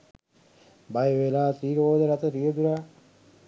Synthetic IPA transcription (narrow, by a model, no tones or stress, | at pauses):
bajəʋelaːt̪iːɾoːd̪əɾat̪əɾijəd̪uɾaː